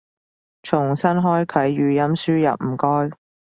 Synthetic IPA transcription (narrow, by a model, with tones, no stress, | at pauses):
t͡ʃʰʊ˨˩ŋsɐ˥nɦɔː˥jkʰɐ˨˥jːyː˨˧jɐ˥msyː˥jɐ˨p̚m̩ː˨˩kɔː˥j